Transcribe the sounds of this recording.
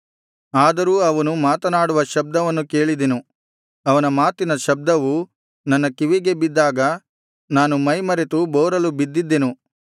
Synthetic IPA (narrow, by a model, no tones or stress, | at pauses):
aːd̪ɐɾuːɐʋɐnumaːt̪ɐnaːɽuʋɐʃɐb̚d̪ɐʋɐnːuke̞ːɭid̪enu | ɐʋɐnɐmaːt̪inɐʃɐb̚d̪ɐʋu | nɐnːɐkiʋiɡe̞bid̪ːaːɡɐ | naːnumɐjmɐɾet̪ubɔːɾɐlubid̪ːid̪ːenu